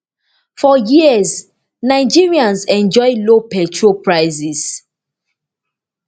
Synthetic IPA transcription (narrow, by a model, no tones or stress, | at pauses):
fɔjiəz | naɪd͡ʒiɹiãnzɛ̃nd͡ʒɔɪlopɛt͡ʃɹopɹaɪzis